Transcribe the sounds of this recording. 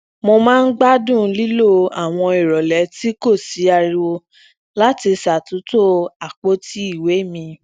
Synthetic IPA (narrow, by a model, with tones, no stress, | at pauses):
mo˧mãː˦n̩˦ɡ͡ba˦dũ˦˨˦li˦lo˦˨a˦˨w̃ɔ̃˧i˨ɾɔ˨lɛ˨˦ti˦ko˦˨si˨˦a˧ɾi˧wo˧ | la˦ti˧sa˨tu˨˦to˦a˨k͡po˦ti˦i˦˨we˨˦mĩ˧